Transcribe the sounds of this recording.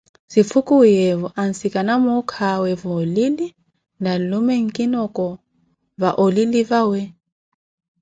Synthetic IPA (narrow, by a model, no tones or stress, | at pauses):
sip̪fʰukʼujɛvɔan̩sikʼanamɔkʰawɛvɔlili | nalumɛŋ̩kʼinɔkʼɔ | vaʔolilivawɛ